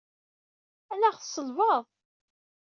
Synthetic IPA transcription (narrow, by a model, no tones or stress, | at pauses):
ænæʁθsˤːəlvəðˤ